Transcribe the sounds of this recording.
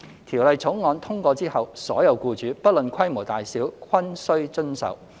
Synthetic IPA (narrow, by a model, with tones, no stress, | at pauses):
t̪ʰiː˨˩wlɐ˨jt͡sʰʊ˨˥ŋŋɔː˨˧nt̪ʰʊ˥ŋkʷɔː˧t͡siː˥hɐ˨wsɔ̰ː˨˥jɐ˨˧wkuː˧t͡ʃyː˨˧pɐ˥t̚lɵ˨nkʰɐ˥jmo˨˩t̪aː˨jsiː˨˥wkʰwɐ˥nsɵ˥ɥt͡ʃɵ˥nsɐ̰˨w